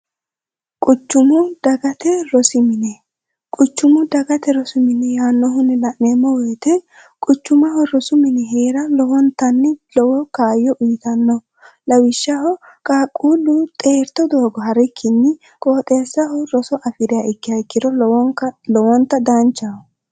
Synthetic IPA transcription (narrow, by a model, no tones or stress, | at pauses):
kʼʊt͡ʃːʊmʊd̪̥ɐɡɐt̪ɛɾɔsɪmɪnɛ | kʼʊt͡ʃːʊmʊd̪ɐɡɐt̪ɛɾɔsɪmɪnɛjaːnːɔɦʊnɛlɐʔneːmːɔweːt̪ɛ | kʼʊt͡ʃːʊmɐhɔɾɔsʊmɪnɛɦeːɾɐlɔwɔnt̪ːɐnːɪlɔwɔkaːjːɔʔʊjɪt̪ɐnːɔ | lɐwɪʃːɐhɔ | kaːkʼːuːlʊt̪ʼe̞ːɾt̪ɔd̪oːɡɔɦɐɾɪkʰːɪnːɪ | kʼoːt̪ʼeːsːɐhɔɾɔsɔʔɐfɪd̪ɪjaʔɪkːɪjɐɪkːɪd̪ɔɔŋɐlɔwɔnt̪ːɐd̪ɐnt͡ʃːɐhɔ